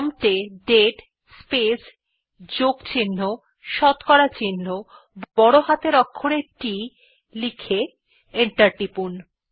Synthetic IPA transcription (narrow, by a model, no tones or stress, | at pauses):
mʈeɖeʈ | spes | d͡ʑokt͡ɕinːo | ʃɔt̪kɔɾat͡ɕinːo | bɔɽoɦat̪eɾɔkʰːoɽeɾʈi | likʰe | eɳʈaɾʈipun